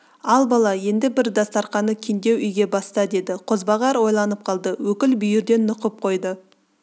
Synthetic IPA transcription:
ɑlˠbɑlˠɑje̞nd̪ɪbɪɾd̪ɑst̪ɑɾqɑnəkʲʰend̪e̞wʏjɡʲe̞bɑst̪ɑd̪e̞d̪ɪqʰo̞zbɑʁɑɾwo̞jlˠɑnəp̚qʰɑlˠd̪əwɵkʲɪlbʏjɪɾd̪e̞nːʊqəp̚qʰo̞jd̪ə

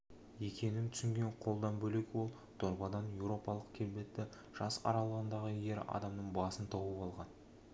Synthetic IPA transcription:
je̞kʲe̞nɪmt̪ʰʏ̥sɪŋɡʲe̞ɴqʰo̞lˠd̪ɑnbɵle̞kʲwo̞lˠ | t̪ʰoɾbɑd̪ɑnjewɾo̞pɑlˠəqkʲʰe̞ɾbe̞t̪ːɪ | ʒ̥ɑsɑ̰ɾɑlˠəʁənd̪ɑʁəje̞ɾɑ̰d̪ɑmnəɴbɑsənt̪ʰobəpɑlˠʁɑn

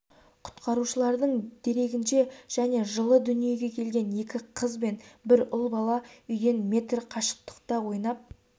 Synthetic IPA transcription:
qʰʊ̥t̪qɑɾuʃəlˠɑɾd̪əɴd̪̥e̞ɾe̞ɡʲɪnʃe̞ʒ̥æne̞ʒəlˠəd̪ʏnije̞ɡʲe̞kʲʰe̞lɡʲe̞ne̞kʲɪqʰəzbe̞nbɪɾʊlˠbɑlˠɑʏjd̪e̞nmʲe̞t̪rqʰɑʃə̥q̚t̪ə̥qt̪ɑwo̞jnɑp̚

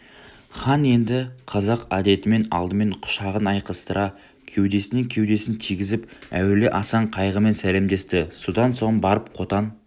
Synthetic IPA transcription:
χɑnje̞nd̪ɪqʰɑzɑqɑd̪e̞t̪ɪme̞nɑ̰lˠd̪əme̞ɴqʰʊ̥ʃɑʁənɑjqəst̪əɾʔɑ | kʲʰe̞wd̪e̞sɪnɪŋkʲʰe̞wd̪e̞sɪnt̪ʰijɡʲɪzɪpæ̰weleʔɑsɑɴqʰɑjʁəme̞nsæle̞md̪e̞st̪ɪsod̪ɑnso̞ɴbɑɾəp̚qʰo̞t̪ɑn

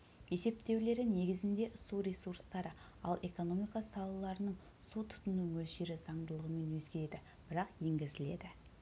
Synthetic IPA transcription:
je̞se̞p̚t̪e̞wle̞ɾɪne̞ɡʲɪzɪnd̪e̞ʔsuɾʲe̞suɾst̪ɑɾə | ɑ̰lˠe̞ko̞no̞mijkɑsɑlˠəlˠɑɾənəɴ | sut̪ʰʊ̥t̪ənuŋwɵzʒe̞ɾɪzɑɴd̪əlˠəʁəme̞nwɵzɡʲe̞ɾe̞d̪ɪ | b̥ɪɾɑqje̞ŋɡʲɪzɪle̞̰d̪ɪ

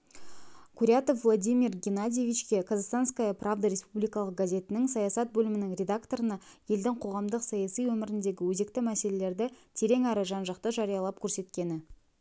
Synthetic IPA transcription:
kʲʰuɾʲat̪o̞fvlˠad̪ʲijmʲirɡʲenad̪ʲijevʲijt͡ʃkʲe̞kʰazast̪anskajapravd̪aɾʲe̞spublijkɑlˠəq̚ɡazʲe̞t̪ɪnɪŋsɑjɑsɑt̪̚bɵlɪmɪnɪŋɾʲe̞d̪akt̪o̞ɾənɑje̞ld̪ɪŋqʰo̞ʁɑmd̪əqsɑjɑsijwɵmɪɾɪnd̪e̞ɡʲɪwɵze̞k̚t̪ɪmæse̞le̞le̞ɾd̪ɪt̪ʰe̞ɾe̞ŋæɾəʒɑnʒɑqt̪əʒɑɾijɑlˠɑp̚kʲʰɵɾse̞t̪kʲe̞nɪ

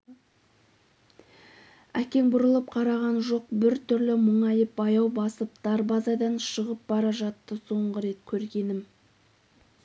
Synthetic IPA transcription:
ækʲe̞ŋbʊɾəlˠəp̚qʰɑɾɑʁɑnʒo̞q̚bɪɾt̪ʰʏɾlɪməɴɑjəp̚bɑjɑwbɑsəp̚d̪̥ɑɾbɑzɑd̪ɑnʃəʁəp̚bɑɾɑʒɑt̪ːəso̞ɴʁəɾe̞t̪kʲʰɵɾɡʲe̞nɪm

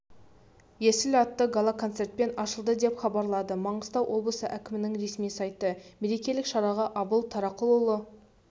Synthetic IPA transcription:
jesɪlɑt̪ːəɡolˠakʰo̞nt̪sert̪̚pe̞nɑʃəlˠd̪əd̪e̞pχɑbɑɾlˠɑd̪əmɑɴəst̪ɑwʔo̞blˠəsəʔækʲɪmɪnɪŋɾe̞smijsɑjt̪əme̞ɾe̞kʲe̞lɪkʃɑɾɑʁɑʔɑbəlˠt̪ʰɑɾɑqəlˠulˠə

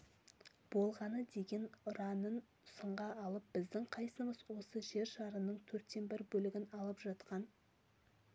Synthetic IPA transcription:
b̥o̞lˠʁɑnəd̪e̞ɡʲe̞nrɑnən | səɴʁɑɑlˠəp̚b̥ɪzd̪ɪŋqʰɑjsəməzwo̞səʒe̞ɾʃɑɾənəɴt̪ʰɵɾt̪ːe̞nbɪɾbɵlɪɡʲɪnɑlˠəpʒɑt̪qɑn

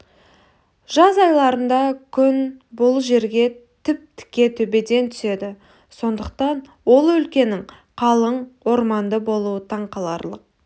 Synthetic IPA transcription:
ʒ̥ɑzɑjlˠɑɾənd̪ɑkʲʰʏnbo̞lˠuʒe̞ɾɡʲe̞t̪ʰɪp̚t̪ʰɪ̥kʲːe̞t̪ʰɵbe̞d̪e̞nt̪ʰʏ̥se̞d̪ɪ | so̞nd̪əq̚t̪ɑnwo̞lˠɵlkʲe̞nɪŋ | qʰɑlˠəɴwo̞ɾmɑnd̪əbo̞lˠuət̪ʰɑɴqɑlˠɑ̰ɾlˠəq̚

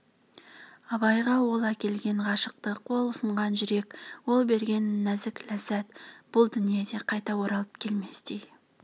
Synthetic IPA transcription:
ɑbɑjʁɑwo̞lˠækʲe̞lɡʲe̞ɴʁɑʃəq̚t̪əqʰo̞lˠʊsəɴʁɑnʒʏɾe̞kwo̞lˠbe̞ɾɡʲe̞nːæzɪklæzːæt̪b̥ʊlˠd̪ʏnije̞d̪e̞qʰɑjt̪ɑwo̞ɾɑlˠəp̚kʲʰe̞lme̞sd̪ej

